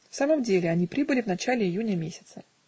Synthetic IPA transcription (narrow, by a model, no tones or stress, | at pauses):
fsaməmdʲelʲɪɐnʲipɾʲibɨlʲɪvnɐt͡ɕalʲɪɪjunʲəmʲesʲɪ̥t̪sə